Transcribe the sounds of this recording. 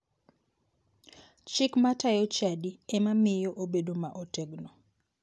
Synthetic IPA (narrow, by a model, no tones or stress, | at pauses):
t͡ʃɪkmatajɔt͡ʃadiɛmamɪjoʔobedomaʔoteɡno